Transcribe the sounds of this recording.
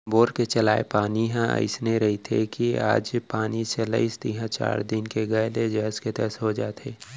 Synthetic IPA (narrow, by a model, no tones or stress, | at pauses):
boːɾket͡ʃɐlaːepaːniɦɛ̃ə̰ɪsneɾɐɦit̪ʰḛkia̰ːd͡ʒpaːniselə̰ɪst̪iɦãt͡ʃa̰ːɾd̪ɪnkeɡəjled͡ʒəɦsket̪əsɦod͡ʒaːt̪eː